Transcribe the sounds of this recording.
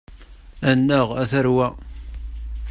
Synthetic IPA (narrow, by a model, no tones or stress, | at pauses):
ænːəʁæθəɾwæ